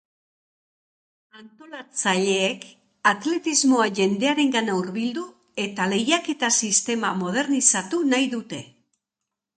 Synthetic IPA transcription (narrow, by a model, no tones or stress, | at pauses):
ant̪o̞lat͡saʎe̞ːk | at̪le̞t̪izmo̞aʝe̞nd̪e̞aɾe̞ŋɡanauɾβild̪u | e̞t̪ale̞jake̞t̪asist̪e̞mamo̞ð̞e̞ɾnisat̪unajðut̪e̞